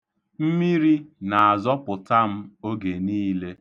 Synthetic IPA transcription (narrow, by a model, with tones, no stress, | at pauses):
m̩˦mi˦ɾi˦na˨a˨zɔ˦pʊ˨ta˦m̩˦o˦ɡe˨niː˦le˦